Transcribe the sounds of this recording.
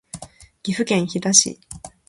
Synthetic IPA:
ɡ̥ʲiɸɯ̟kẽ̞ɰ̃çid̪aɕḭ

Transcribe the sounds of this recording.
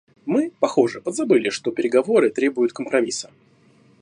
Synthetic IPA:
mɨpɐxo̞ʐɨəd̪zɐbɨlʲɪʂt̪o̞pʲɪɾʲɪɡɐvo̞ɾɨt̪ɾʲe̞bʊjʊt̪kəmpɾɐmʲisə̥

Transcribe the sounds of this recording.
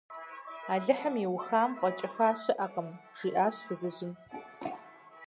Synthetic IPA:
aːɮɨħəmiwxaːmqʷʼɔt͡ʃʼɪfaːɕɪʔɐqʼəmʒ̥iːʔaːɕfɨzɨʑɪm

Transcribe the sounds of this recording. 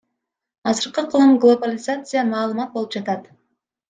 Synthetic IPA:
ɑzɨɾqɯqʰɯlˠɯmɡlˠo̞balʲɪzat̪sɨjamɑːlˠɯmɑt̪̚boɯpd͡ʒɑt̪ɑt̪

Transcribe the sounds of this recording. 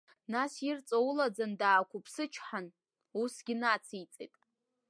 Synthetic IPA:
nasirt͡sʼowlad͡zandaːkʷʊpʰsɨt͡ʃʰħan | usɡʲɪnat͡sʰit͡sʼḛjtʼ

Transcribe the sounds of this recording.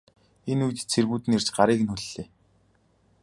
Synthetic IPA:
enujt̪t͡sʰerɣuːt̪ɘ̆ner̥t͡ɕɢaɾiːk̆nuɮːeː

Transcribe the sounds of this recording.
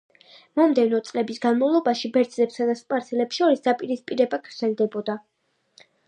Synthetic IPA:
mɔmd̪ɛvnɔt̪sʼlɛbisɡanmavlˠɔbaʃibɛɾd̪zlɛpsad̪aspʼaɾtsʰɛlɛpsʃɔɾisd̪apʼiɾispʼiɾɛbaɡɾd̪z̥ɛlˠd̪ɛbɔd̪a

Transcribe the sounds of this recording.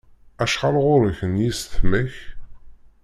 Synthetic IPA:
æʃʁɑlʁʊɾəçənjisθməç

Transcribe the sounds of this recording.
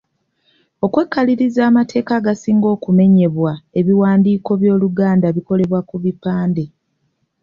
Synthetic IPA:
o̞kwe̞kːaliɾizaːmatʰe̞ːkaɡasiːŋɡo̞ːkume̞ɲe̞βwae̞βiwaːndiːko̞βjo̞ːluɡaːndaβiko̞le̞βwakuβipaːnde̞

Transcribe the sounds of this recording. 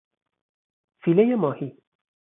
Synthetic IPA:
filejemɔːhi

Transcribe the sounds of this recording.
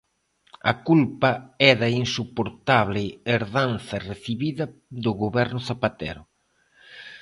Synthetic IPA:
ɐ̰kulpɐɛðɐinsupoɾt̪aβlɪeɾðanθɐreθiβiðɐðʊɣoβɛɾnʊθapat̪ɛ̰ɾʊ

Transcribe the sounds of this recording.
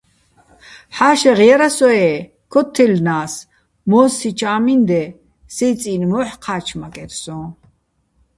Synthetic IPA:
ħaːʃɛʁjɛɾasɔɛ | kʰɔt̪ʰːɛlnaːs | mɔːsit͡ʃʰaːmind̪ɛ | sɛt͡sʼiːnmɔːħqʰaːt͡ʃʰmakʼɛɾsɔ̃

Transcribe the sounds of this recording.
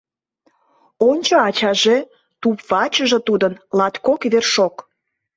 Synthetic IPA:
onʲt͡ɕoɑt͡ɕɑʒe | t̪upβɑt͡ɕəʒe̽t̪ud̪ənlɑt̪kokβerʃok

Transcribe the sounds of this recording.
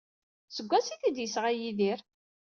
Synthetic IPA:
səɡʷːæsiθid̪jəsʁajiðiɾ

